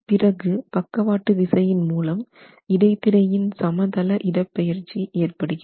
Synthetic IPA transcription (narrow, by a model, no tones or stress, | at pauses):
pɪrɐɣɯpɐkːɐʋaːʈːɯʋɪsɐjɪnmuːlɐm | ɪɽɐɪt̪ːɪɽɐjɪnsɐmɐt̪ɐlɐʔɪɽɐpːɛjɪɾt͡ʃːiʔeːrpɐɽɯɣɪɐ